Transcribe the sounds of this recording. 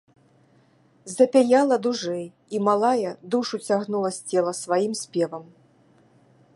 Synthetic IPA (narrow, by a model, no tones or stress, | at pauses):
zɐpʲɛjalˠɐd̪uʐɛj | imalˠajɐd̪uʂut͡sʲaɣnulˠɐsʲt͡sʲɛlˠɐsvajimsʲpʲɛvɐm